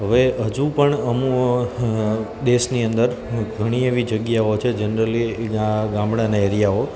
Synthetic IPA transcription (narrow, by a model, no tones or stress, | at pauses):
ɦəʋeɦəd͡ʒũpəɳəmũ | d̪esniənd̪əɾɡʱəɽ̃ieʋid͡ʒəɡjaot͡ʃʰed͡ʒənɾəliaɡãmɽanaeɾijao